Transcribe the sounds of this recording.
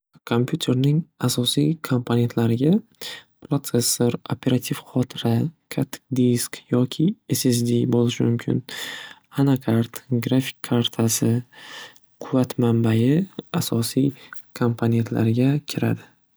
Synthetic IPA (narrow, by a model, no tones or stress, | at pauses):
kʰo̞mpʰʲjut̪ʰe̞ɾnɪŋasɒsijkʰompʰone̞nt̪laɾɪɡʲapʰɾot̪se̞sːo̞ɾo̰pʰʲe̞ɾat̪ʰivχɒt̪ʰɪɾakʰat̪ʰːɪ̥kd̪iskjɒkʲʰɪeses̬d̪ibolɪʃɪmʊmkʲʰɪ̰n | anakʰaɾt̪ɡɾafi̥kʲʰːaɾt̪ʰasɪ | qʰʊvat̪mambajɪasɒsijkʰompʰone̞nt̪ʰla̰ɾɪɡʲakʲʰɪɾa̰d̪ɪ